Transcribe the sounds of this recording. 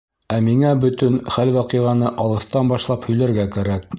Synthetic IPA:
æmiŋæbɵ̆t̪ɵnχælwɑqɤʁɑnɤʔɑlˠɤ̆θt̪ɑnbɑʃlˠɑphɵ̆jlæɾɡækæɾæk̚

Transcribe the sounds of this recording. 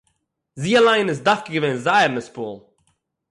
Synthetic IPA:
ziːəlˠaɪnɪs̬dafkəɡəvenzaɪəɾnəspuːlˠ

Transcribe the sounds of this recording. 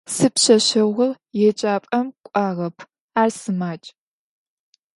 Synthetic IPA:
sɨpɕɐɕɐʁʷɐr | jɛt͡ʃʼaːpʼɐmkʷʼaːʁɐpʰ | aːrsɨmaːt͡ʃʼ

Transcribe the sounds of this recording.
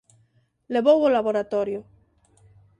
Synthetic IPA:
leβowolaβoɾat̪ɔɾjʊ

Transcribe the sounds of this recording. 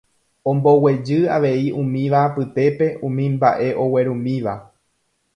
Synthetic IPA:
õ̞mbo̞we̞d͡ʒɨa̰ʋe̞iũmĩʋapɨt̪e̞pe̞ʔũmĩmbaʔe̞ʔo̞we̞ɾũmĩʋa

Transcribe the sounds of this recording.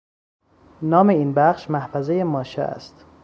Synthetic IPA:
nɒːme̞iːnbæʃmæhfæzejemɒːʃḛæ̰st̪

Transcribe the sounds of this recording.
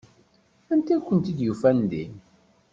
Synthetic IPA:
ænt̪ækʷːənt̪id̪jufænd̪in

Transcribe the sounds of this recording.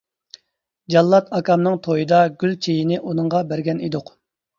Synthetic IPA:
d͡ʒɑlˠːɑt̪ɑkʰɑmnɨŋt̪ʰojɨd̪ɑɡʲylt͡ʃʰejinɪʔunɨŋʁɑbæɾɡʲɛnid̪ʊq

